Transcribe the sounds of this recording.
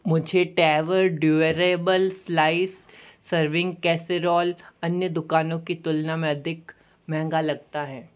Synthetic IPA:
mʊd͡ʒʱeʈɛːʋəɾɖjuːeɾebəlslaːɪsːəɾʋɪ̃ŋɡkɛːseɾɔːlɐnjəd̪ʊkaːnõkit̪ʊlnamẽɐd̪ʱɪk | mɛ̃ɦɛ̃ŋɡalɐɡ̚t̪aɦɛ̃ː

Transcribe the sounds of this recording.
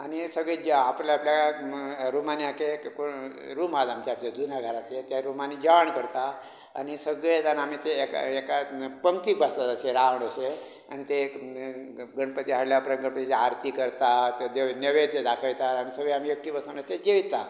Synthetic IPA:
anisəɡɭed͡ʒapljaːplja | ɾumanijakeko | ɾumad̪amt͡ɕated̪unjaɡʱəɾat̪et̪jaɾumanid͡ʒaɳkəɾt̪a̰ː | nisəɡɭet̪anamit̪eːkekapəmt̪ikbasət̪əseɾaʋəɳ̃əse | a̰nit̪e | ɡəɳpət̪iɦaɽljapɾəŋɡəɳpət̪ieaɾt̪ikəɾt̪at̪d̪enəʋed̪ed̪akʰəjt̪aañisəɡɭeamiəkʈibəsunəsed͡ʑeʋit̪a

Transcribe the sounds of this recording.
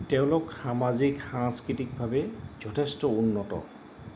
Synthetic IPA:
tɛʊ̃lʊkxamaziksãŋskɹitik̚bʱabɛz̥ɔtʰestɔunːɔtɔ̰

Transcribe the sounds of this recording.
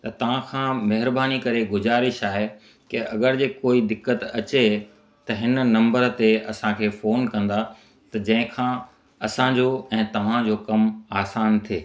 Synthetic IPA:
t̪ɐt̪ɐʋ̤ãkʰãːmɐɦɪɾbaːnikɐɾeɡʊzaːɾɪʃaːɦe | kɪʔɐɡəɾd͡ʑeːkoːid̪ɪkːət̪ɐt͡ɕe | t̪ɐɦɪn̆nɐ̃mbəɾt̪eɐsãkʰeːfoːnkɐ̃nd̪a | t̪ɐd͡ʑɐ̃ɦɪ̃kʰãː | ɐsãd͡ʑoɛ̃ːt̪ɐʋ̤ãd͡ʑoːkɐmaːsaːnt̪ʰieː

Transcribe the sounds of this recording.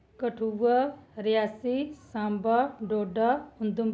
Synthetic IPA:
kɐʈʰuʋaɾijaːsisãːmbaɖoːɖaʊ̃nd̪um

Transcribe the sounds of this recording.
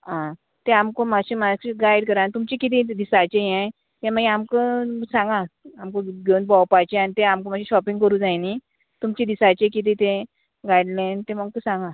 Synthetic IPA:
ɦã | t̪ẽamkomaɕemakɡajɽkəɾant̪umt͡ɕekit̪̬ĩd̪isat͡ɕejɛ̃ | t̪ẽm̤əɡẽamkəsãŋɡãamkõɡeunpawpajt͡ɕeanit̪eamkomaɕĩɕɔpĩŋɡkəɾũːd͡zajni | t̪umt͡ɕẽd̪isat͡ɕekit̪̬ĩt̪ẽ | ɡajɽlẽnt̪ẽməɡkəsãŋɡã

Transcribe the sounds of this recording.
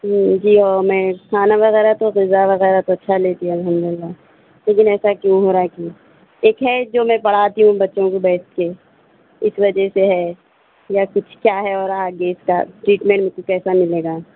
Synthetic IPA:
d͡ʒiːɔːɾmɛ̃kʰaːnaʋɐɣɛːɾat̪oɣɪzːaʋɐɣɛːɾat̪oɐtːʃʰaleːt̪iɦɛ̃ɐlɦəmd̪ʊɪlːa | leːk̬ɪnɛːsakjõɦoːɾaki | eːkɦɛd͡ʒoːmɛ̃pɐɽ̤aːt̪iɦũbɐtːʃõkobɛːske | ɪsʋɐd͡ʒɛseɦɛ | jakʊt͡ʃʰkjaːɦɛɔːɾaːɡeːska̰ʈɾiːʈmẽːɳʈmẽkʊɛːsamɪleːɡaː

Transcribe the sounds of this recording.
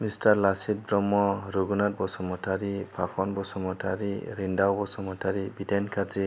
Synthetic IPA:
mistaɾlasit̚bɾɔmɔɾuɡunat̚bɔsɔmɔtʰaɾipʰakʰɔnbɔsɔmɔtʰaɾiɾindawbɔsɔmɔtʰaɾibitɛnkʰaɾzi

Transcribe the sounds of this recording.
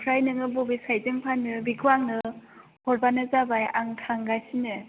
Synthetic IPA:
pʰɾajnɯŋɯbobisajdɯŋpʰanɯbikʰɯaŋnɯ | hɔɾbanɯzabajaŋtʰaŋɡasinɯ

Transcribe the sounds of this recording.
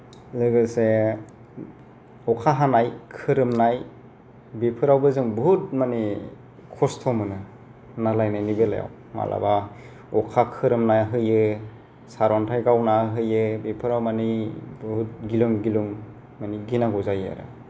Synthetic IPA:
zɯɡɯse | ɔkʰaɦanajkʰɯɾɯmnaj | bepʰɯɾawbɯzɯŋbəɦut̚mani | kʰɔstʰɔmɯnɯ | nalajnajnibela̰ja̰w | ma̰lʔa̰ba | ɔkʰakʰɯɾɯmnajɦɯjɯ | saɾwantʰajɡawnaɦɯjɯbepʰɯɾawmanibhut̚ɡilɯŋɡilɯŋ | maniɡinaɡɔzaja̰ɾɯ̰

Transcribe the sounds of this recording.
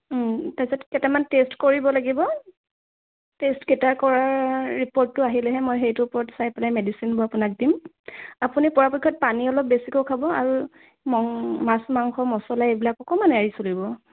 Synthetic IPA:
tasɔtkɛtɛmantestkoɹibɔlaɡibɔ | testkɛtaɹkɔɹaɹipɔɹtːʊaɦilɛɦɛmojxejtʊpɔɹɔtsajpalajmedisinbʊapʊnak̚dim | apunipɔɹapɔkʰːɔt̚paniɔlɔp̚besikokʰabɔaɹu | mɔŋmasmaŋxɔmɔsɔlaebilakɔkɔmanaɹisolibɔ

